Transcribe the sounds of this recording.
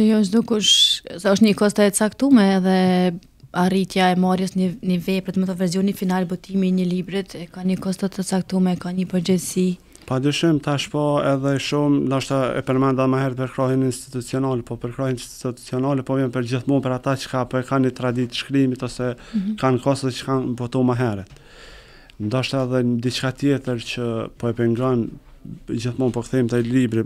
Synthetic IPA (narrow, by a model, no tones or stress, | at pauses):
ɛjɔʃ̬d̪ukuʃɔsɛɔʃt̪ɲəkɔst̪aət͡sakt̪umɛːðɛ | arit̪jaɛmaɾjəsɲənəvɛpɾɛt̪mɛt̪ɔvɛɾs̬jɔnifinalbɔt̪imiɲəlibɾit̪ɛkaɲəkɔst̪at̪ət͡sakt̪umɛkaɲəpəɾd͡ʑɛðsi | pad̪yʃɪmt̪aʃpɔɛðɛʃumnɔʃt̪aɛ̰pəɾmɛnd̪amaɦɛɾɛt̪̚pəɾkɾɔhɛninst̪i̥t̪ut͡siɔnɑlɛpɔpəɾkɾɔhinst̪t̪it̪u̥t͡siɔnɑlɛpɔɛmpəɾd͡ʑəθmunpəɾat̪at͡ʃə̥kapɔɛkanit̪ɾad̪it̪ʃkɾimit̪ɔsɛkankɔst̪t͡ʃə̥kanpɔt̪umaɦɛɾɛt̪ | nd̪ɔʃt̪aɛðɛd̪it͡ʃkat̪jɛt̪əɾt͡ɕəpɔɛpɛŋɡɔn | d͡ʑəθmunpɔkθimt̪ɛlibɾi